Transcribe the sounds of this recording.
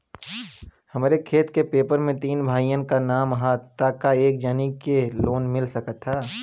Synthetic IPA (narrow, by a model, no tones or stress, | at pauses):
hɐmɾekʰeːt̪kepeːpəɾmẽt̪iːnbʱaːijə̃nkanaːmɦat̪akaeːk̚d͡ʒaːnikeloːnmɪlsəkət̪ɦaː